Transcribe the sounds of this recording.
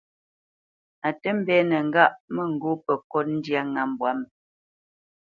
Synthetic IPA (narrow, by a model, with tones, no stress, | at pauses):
a˨tə˦m̩˦bɛː˨˦nə˨ŋ̩˨ɡa˦ʔmə˦˨ŋ̩˨ɡo˦pə˨kɔ˦t̚n̩˦dja˦ŋa˨m˨bwa˨˦m˦